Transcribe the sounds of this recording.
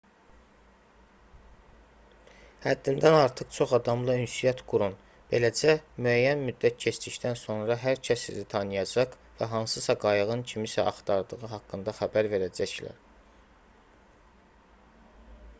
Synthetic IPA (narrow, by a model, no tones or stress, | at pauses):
hæd̪ːind̪ænɑɾt̪ʰɯχt͡ʃʰo̞χɑd̪ɑmlˠɯynsyjɑt̪ɡ̥uɾun | b̥e̞̰læd͡ʒæmyæjːænmyd̪ːæt̪̚cʰe̞t͡ʃd̪içd̪ænso̞nɾɑɦæɾcʰæsizit̪ʰɑnɯjɑd͡ʒɑq | væɦɑnsɯsɑɡɑjɯʁɯncʰimisæʔɑχt̪ʰɑɾd̪ɯɣɯɦɑkːɯnd̪ɑxæbæɾve̞ɾæd͡ʒæçlæ̰ɾ